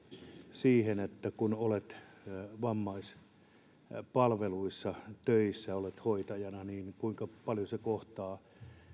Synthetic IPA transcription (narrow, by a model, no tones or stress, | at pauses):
siːhenet̪ːækunolet̪ʋɑmːɑis | pɑlʋeluisːɑt̪øisːæolet̪hoit̪ɑjɑnɑniːnkuiŋkɑpɑljosekoht̪ɑː